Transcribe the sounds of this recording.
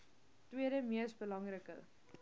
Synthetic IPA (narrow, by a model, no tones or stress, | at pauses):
twiəɾəmiəsbəlɐŋrəkə̰